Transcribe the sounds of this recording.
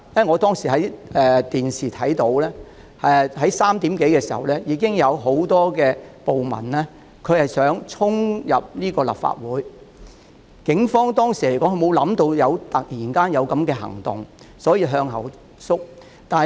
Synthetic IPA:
jɐ˥˨ŋɔː˨˧t̪ɔː˥ŋsiː˨˩ɦɐ˨˥jɛː˨t̪iː˨nsiː˨t̪ʰɐ˨˥jt̪o˨˧˥wlɛː˥ | ɛ˨ɦɐ˨˥jsaː˥mt̪iː˨˥mke˨˥jkɛː˧siː˨˩hɐ̰˨wlɛː˥jiː˨˧kɪ˥ŋjɐ˨˧wɦo˨˥wt̪ɔː˥kɛː˧po˨wmɐ̰˨˩nlɛː˥ | kʰɵ˨˧ɥhɐ˨jsœː˨˥ŋt͡sʰʊ˥ŋjɐ˨p̚niː˥kɔː˧lɐ̰˨p̚fa̰ː˧t̚wuː˨˥j | kɪ˨˥ŋfɔː˥ŋt̪ɔː˥ŋsiː˨˩le˨˩jkɔ˨˥ŋkʰɵ˧mo˨˧wlɐ˨˧˥mt̪o˧wjɐ˨˧wt̪ɐ˨k̚jiː˨˩nkaː˥njɐ˨˧wkɐ˨˥mkɛː˧ɦɐ̰˨˩ŋt̪ʊ̰˨˩ŋ | sɔː˨˥jiː˧ɦœː˧ŋɦɐ̰˨˩w | sʊ˥k̚ | t̪aː˨n˨

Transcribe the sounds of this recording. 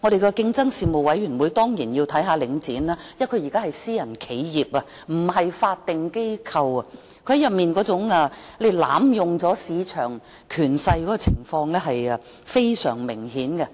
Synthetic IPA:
ŋɔː˨˧ɾe˨jkɔ˧kɪ˥˧ŋt͡sɐ˥ŋsiː˨˧mo˨wɐ˨˥jɥyː˨˩nwuː˨˧jt̪ɔː˥ŋjiː˨˩njiː˧wt̪ʰɐ˨˥jɦaː˨˧lɪ˨˧˥ŋt͡siː˨˥naː˥jɐ˥kʰɵ˨˧ji˨˩kaː˥hɐ˨jsiː˥jɐ˨˩nkʰe˨˥jjiː˨p̚ɐ˧ | m̩˨˩ɦɐ˨jfaː˧t̚t̪ːɪ˨ŋke˥jkʰɐ˧wɐ˧ | kʰɵ˧˥hjɐ˨p̚miː˨nkɔː˨˥t͡sʊ˨˧˥ŋa˧le˨˧jla̰ː˨˥mjʊ˨ŋt͡sɔː˨˥siː˨˧t͡ʃʰœː˨˩ŋ | kʰyː˨˩nsɐ˧jkɔ˨˥kɔː˧t͡sʰɪ˨˩ŋfɔː˧ŋlɛː˥ɦɐ˨jɐ˧ | fe˥jsœː˨˩ŋmɪ˨˩ŋhiː˨˥nɡɛ˧

